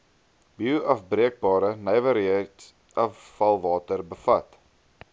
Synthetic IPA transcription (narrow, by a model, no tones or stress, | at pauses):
biwʔɐfbriək̚bɑːɾənəjvəɾiət | ʔɐfːɐlˠvɑːtərbəfɐt